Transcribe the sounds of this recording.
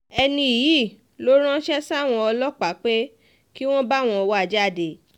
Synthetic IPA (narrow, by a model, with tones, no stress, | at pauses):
ɛ˧nĩ˧i˨ji˦˨ | lo˦ɾ̃ã˦ʃɛ˦sa˦˨w̃ɔ̃˧ɔ˧lɔ˦k͡pa˨˦k͡pe˦ | ki˦w̃ɔ̃˦ba˦˨w̃ɔ̃˧ɔ˧wa˦a˨d͡ʒa˦˨de˨